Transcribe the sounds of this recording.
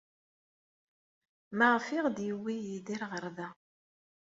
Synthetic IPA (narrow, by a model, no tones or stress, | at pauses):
maʁfiʁd̪jiwijid̪iɾʁəɾðæ